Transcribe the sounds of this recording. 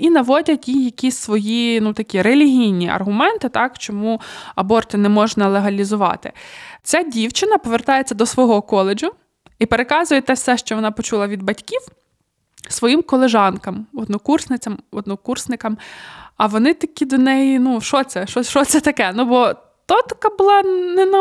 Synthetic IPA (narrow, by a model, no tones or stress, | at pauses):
inɐʋɔdʲɐtʲjijɐkʲisʲsʋɔjinut̪ɐkʲiɾelʲiɦʲijnʲiʔɐ̰rɦʊmɛnt̪ɪt̪ɑkt͡ʃɔmuɐbɔrt̪ɪnɛmɔʒnɐlˠeɦɐlʲizʊʋɑ̰t̪ɪ̰t͡sʲɑdʲiwt͡ʃɪnɐpɔʋert̪ɑjet͡sʲːɐd̪ɔsʋɔɦɔkɔlˠed͡ʒʊ | ipeɾekɑzʊjɛt̪ɛfsɛʃt͡ʃɔʋɔnɑpɔt͡ʃulˠɐʋʲid̪̚bɐtʲkʲiw | sʋɔjimkɔlˠeʒɑnkɐmɔd̪̚nɔkursnɪt͡sʲɐmɔd̪nɔkursnɪkɐmɐʋɔnɪt̪ɐkʲid̪ɔnɛjinuʃɔt̪sɛʃɔʃɔt̪sɛt̪ɐkɛnubɔ | t̪ɔt̪ɐ̥kɑbʊlˠɑnɛnɐ